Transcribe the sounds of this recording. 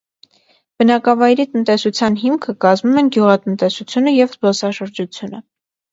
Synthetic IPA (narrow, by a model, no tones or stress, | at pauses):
b̥ənɑkɑvɑjɾit̪ənt̪ɛsut͡sʰjɑnɦimkʰəkɑzmumɛnɡjuʁɑt̪ənt̪ɛsut͡sʰjunəjɛvzpɔsɑʃəɾd͡ʒut͡sʰjunə